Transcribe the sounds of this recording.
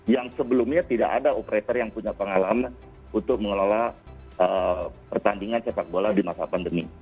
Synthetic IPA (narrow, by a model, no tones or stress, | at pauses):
jaŋsəbəlʊmɲat̪ida̰ʔa̰daopəɾet̪ərjaŋpuɲapəŋalaman | unt̪ʊk̚məŋəlola | əpərt̪andiŋansepak̚boladimasapandəmi